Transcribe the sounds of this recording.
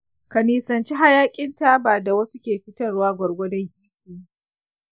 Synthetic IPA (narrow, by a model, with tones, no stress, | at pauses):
kɐ˨niː˨sɐ˨nt͡ʃi˦ɦa˦jaː˦kʲʼɪ˦nta˦baː˨da˨wɐ˦su˦kʲeː˨ɸɪ˦tɐ˦˨rwaː˦ɡʷɔ˨ɽɡʷɔ˦dɔ˦ŋhiː˦kiː˨